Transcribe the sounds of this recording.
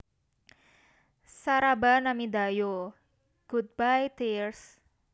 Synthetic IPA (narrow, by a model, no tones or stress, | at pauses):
saɾabanamid̪ajo | ɡ̥ud̪̚bajt̪irs